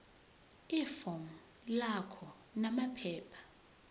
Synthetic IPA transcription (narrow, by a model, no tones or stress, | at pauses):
ifɔŋ̩ | lakʰɔ | namapʰɛːpʰḁ